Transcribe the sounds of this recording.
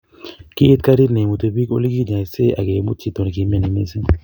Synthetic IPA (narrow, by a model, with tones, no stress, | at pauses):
kiː˦t̪̚ka˦ɾi˦ne˨mu˨t̪e˨bi˦ko̰˦li˦ɡi˦ɲa˨se˦ʔa̰˨ɡe˨˦mu˦t͡ʃi˦t̪o˨n˨ki˨˦me˨ne˨ne˦se˦